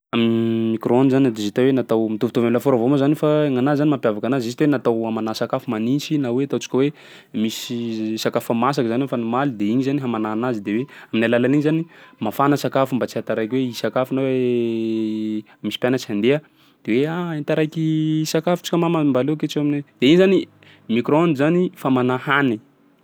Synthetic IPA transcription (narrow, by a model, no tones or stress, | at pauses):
aminimikronizanad̪ezit̪awenat̪awmit̪uvit̪ovamilafoɾavomazanifaeŋanazanimapjavakanazisi̥t̪wenat̪awamanasakafumanint͡ʃinaweat̪awt͡si̥kʲəwe | misisakafamasakzanwefanimalid̪eiɲizaniɦamanaːnazid̪eweaminajlalaniɲizanimafanəsakafumbat͡siant̪aɾajkweisakafunawe | misi̥pjanət͡siand̪eə | d̪̥eweaant̪aɾajkisakafu̥t͡ʃi̥kʲamamambaleket͡ʃeamined̪̥eiɲizani | mikɾoonizanifamanahani